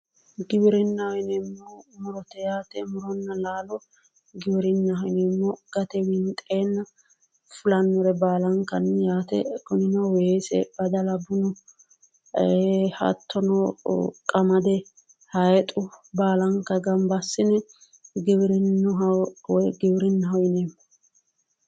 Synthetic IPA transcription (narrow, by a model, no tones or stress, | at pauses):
ɡɪbɪɾɪnːɐhɔɪnɛmːɔmʊɾɔt̪ɛjaːt̪ɛmʊɾɔnːɐlaːlɔ | ɡɪbɪɾɪnːɐɪnɛmːɔɡ̥ɐt̪ɛwɪnt̪ʼeːnːɐ | fʊlɐnːɔɾɛbaːlɐŋkːɐnjaːt̪ɛ̰kɔnɪnɐwesɛ̰bɐd̪ɐlɐbʊnɔ | hɐ̰t̪ʰːɔnɔkʼɐmɐd̪ɛ | hɐjɛt̪ʼʊbaːlɐŋkːɐɡɐmbɐsːɪnɛ | ɡɪbɾɪnnːʊwɡɪbɪɾɪnːɦɔjneːmːɔ